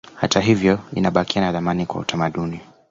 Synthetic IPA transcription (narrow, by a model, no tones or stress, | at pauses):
hataɦivjɔinaɓakianaðamanikwa̰utamaɗuni